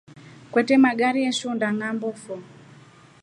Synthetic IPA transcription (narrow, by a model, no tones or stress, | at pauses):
kwɛtɛmaɡaɾiɛʃundaŋambɔfɔ